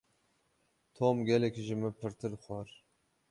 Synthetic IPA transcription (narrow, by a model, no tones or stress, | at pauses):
t̪ʰoːmɡʲɛlɛkʲʒɪmɨpʰɨɾt̪ʰɨɾxʷɑɾ